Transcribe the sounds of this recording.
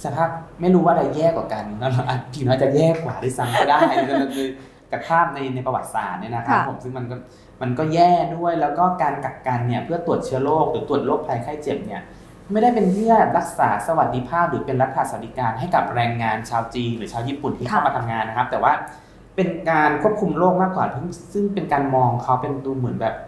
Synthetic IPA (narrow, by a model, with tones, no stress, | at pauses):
sa˧pʰaː˥˩p̚ma˥˩jɾuː˦˥waː˥˩da˧jjɛː˥˩kɔ̰ː˨˩ka˧nnɔ˦˥la˧ʔa˨˩t̪̚kʰiː˨˩nɔː˨˦˥t͡ɕa˨˩jɛː˥˩kwaː˨˩˦da˥˩jsa˦˥mka˥˩daː˥˩jkkʰɯː˧ | ka˨˩k̚pʰaː˥˩p̚na˧jna˧jpa˧wa̰˨˩t̪̚sa̰ː˨˩t̪̚ni˥˩ɐna˦˥kʰa˦˥pʰːo˨˩˦msɯ˥˩ma˧nkɔ˥˩ | ma˧nkɔː˥˩jɛː˥˩du˥˩əjlɛː˦˥wkɔː˥˩kaː˧nka˨˩kːa˧nːi˥˩ɐpʰɯ˥˩ɐt̪u˨˩ət̪̚t͡ɕʰɯ˥˩ɐloː˥˩k̚ɾɯː˩˦t̪u˨˩ət̪̚loː˥˩k̚pʰa˧jkʰaː˥˩t͡ɕe˨˩p̚ni˥˩ɐ | ma˥˩jda˥˩jpe˧npʰɯ˥˩ɐɛ˨˩ɾa˦˥k̚saː˩˦sa˧wa˨˩t̪̚ːʰi˧pʰaː˥˩p̚ɾɯː˩˦pe˧nɾa˦˥t̪̚ʰaː˧˩sa˧˩d̪iː˧kaː˧nɦa˥˩jka˨˩p̚ɾɛː˧ŋːaː˧nt͡ɕʰaː˧wt͡ɕiː˧ŋɾɯ˨˩˦t͡ɕʰaː˧wjiː˥˩pu˨˩nt̪ʰiː˥a˥˩ma˧a˧mŋaː˧nːa˦˥kʰa˦˥p̚t̪ɛː˨˩waː˥˩ | pe˧nkaː˧nkʰu˥˩əp̚kʰu˧mloː˥˩k̚maː˥˩kwaː˨˩pʰɯ˥˩ŋsɯ˥˩ŋpe˧nkaː˧nmɔː˧ŋkʰa˦˥wpe˧nt̪uː˧mɯ˩˦nbɛː˨˩p̚